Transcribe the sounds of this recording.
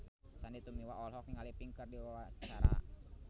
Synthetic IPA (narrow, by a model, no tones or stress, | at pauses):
sandit̪umiwaʔɔlɦɔk̚niŋalipiŋkərdiwawat͡ʃaɾa̰